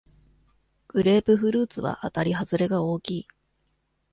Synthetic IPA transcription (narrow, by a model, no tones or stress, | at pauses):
ɡ̥ɯ̟ɾe̞ːpɯ̟ɸɯ̟ɾɯːt͡sɨβa̰ʔat̪aɾʲiɦazɨɾe̞ɡao̞ːkʲiː